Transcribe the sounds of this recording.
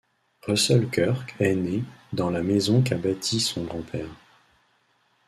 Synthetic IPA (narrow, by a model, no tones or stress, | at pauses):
ʁəsœlkœʁkʰɛned̪ɑ̃lamɛzɔ̃kabat̪ʰisɔ̃ɡʁɑ̃pʰɛːʁ